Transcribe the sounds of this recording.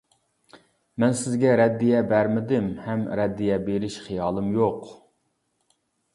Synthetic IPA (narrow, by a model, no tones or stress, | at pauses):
mɛnsɪzɡʲɛɾɛd̪ːijɛbæɾmɪd̪ɪmhɛmɾɛd̪ːijɛbeɾɪʃχijɑːlˠɨmjoq